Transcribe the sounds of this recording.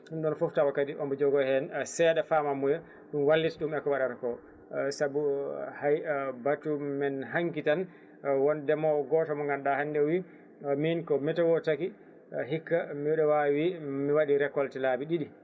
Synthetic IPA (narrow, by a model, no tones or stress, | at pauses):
ɗumɗɔnfuftawakːatiʔɔmbɛd͡ʒɔɡɔhɛnsɛɗafamamːujɛ | ɗumwalːitiɗumɛkːɔwaɗaɾakɔ | sabuhajbatːumɛnɦaŋkitan | wɔndɛmɔɡɔtamɔŋɡanɗahanːdɛwi | minkɔmɛtɛwɔtaki | ɦikːamiɛɗɔwawimiwaɗiɾɛkːɔltɛlabiɗiɗi